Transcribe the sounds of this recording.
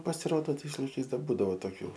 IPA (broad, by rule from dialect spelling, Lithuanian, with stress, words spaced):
pɐsʲɪˈroːdoː ˈtɐɪs lˠɐɪˈkɐɪs ˈdɐr ˈbuːdɐʋoː toːˈkʲuː